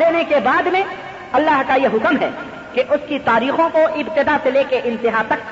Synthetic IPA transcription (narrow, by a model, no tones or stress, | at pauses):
eːnekebaːd̪mẽ | ɐlːaːɦkajeɦʊkmɦɛ̰ | keʔʊskit̪aːɾiːxõkoʔɪbt̪ɪd̪aseleːkeʔɪ̃nt̪ɪɦat̪ɐk̚